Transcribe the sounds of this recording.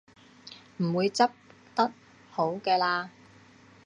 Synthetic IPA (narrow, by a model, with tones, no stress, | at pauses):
m̩˨˩wuː˨˧jt͡sɐ˥p̚ | t̪ɐ˥t̚ | ho˨˥wkɛː˧laː˧